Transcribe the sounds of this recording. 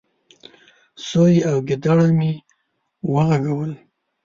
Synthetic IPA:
sojawɡɪd̪aɽami | wəɣaɡawəl

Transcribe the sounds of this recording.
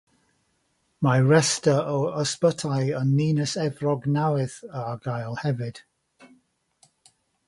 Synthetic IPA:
maɹɛstəɔəspətʰajənːiːnəsɛvrɔɡnawɪθəaɡajlˠhɛvɨd̥

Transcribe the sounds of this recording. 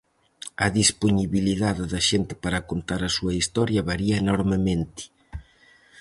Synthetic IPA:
ɐðisponiβiliðaðɪðɐʃent̪ɪ̥paɾɐkont̪aɾɐsuɐist̪ɔɾjɐβaɾiɐenɔɾmemẽnt̪ɪ̥

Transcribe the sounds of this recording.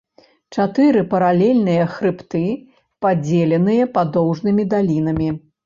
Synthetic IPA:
t͡ʂat̪ɨɾɨpɐɾalʲɛlʲnɨjɐxɾɨpt̪ɨ | pad͡zʲelʲɛnɨjɐpad̪ɔwʐnɨmʲid̪alʲin̪ɐmʲi

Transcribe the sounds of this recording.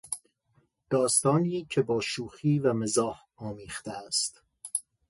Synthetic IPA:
d̪̥ɒːst̪ɒːniːcʰebɒːʃuːxiːvæmezɒːh | ɒːmiːχt̪eæst̪

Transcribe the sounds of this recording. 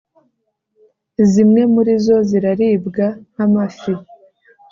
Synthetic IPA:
zimŋe̞muɾizo̞ziɾaɾiːbɡanamafi

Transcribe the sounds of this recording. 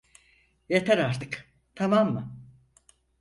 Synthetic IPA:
jet̪ʰɛɾaɾt̪ʰɯk | t̪ʰamamːɯ

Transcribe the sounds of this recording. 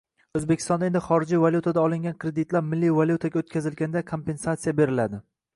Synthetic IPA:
ɵzbekʲʰɪ̥st̪ɒnd̪e̞nd̪ɪχɒɾɪd͡ʒivaljut̪ʰad̪aɒlˠɪŋɡʲankʰɾed̪ɪt̪laɾmɪlːivalʲjut̪ʰaɡʲaot̪̚kʲʰazɪlɡʲanɪd̪akʰo̞mpe̞nsat̪sijabe̞ɾɪlad̪ɪ

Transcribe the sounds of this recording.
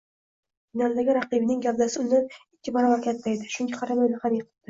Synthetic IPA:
nɒnd̪aɡʲɪɾaqibɪnɪŋɡʲabd̪asɪʊnːanɪkʲːɪbɒɾabaɾkʲʰat̪ːajd̪ɪʃʊŋɡʲɪqʰɑɾamojlaχanjqɨ̥p̚d̪̥ɪ

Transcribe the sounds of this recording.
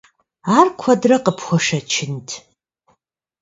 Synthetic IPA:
aːrkʷʰɐdrɐqəpʰχʷɔʂɐt͡ʃʰɪntʰ

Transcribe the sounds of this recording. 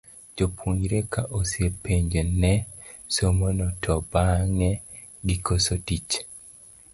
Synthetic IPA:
d͡ʒopʰuɲɾekaʔosjepeɲd͡ʒonɛsomonɔtʰɔbaŋɛ | ɡikosotit͡ʃ

